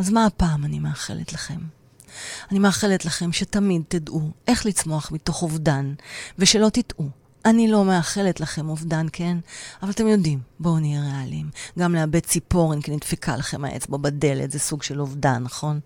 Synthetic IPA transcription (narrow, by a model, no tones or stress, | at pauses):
azmaːpaːmanimeaχe̞̰lḛtlaχe̞m | animeaχe̞letlaχe̞mʃetamid̚tidʔuʔe̞χlit͡smo̞aχmito̞χovdanveʃe̞lo̞titʔu | ʔanilo̞meaχe̞letlaχe̞movdankʰenavalat̪e̞mjo̞dimbooniʁealimɡamleabet͡sipo̞ʁimkinitfekʰa̰laχe̞ma̰ʔḛt͡sbabade̞lḛtzesuɡʃelovdanːaχo̞n